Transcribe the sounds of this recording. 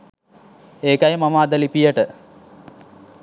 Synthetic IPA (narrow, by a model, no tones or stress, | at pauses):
eːkajemɐmaːd̪əlipijəʈə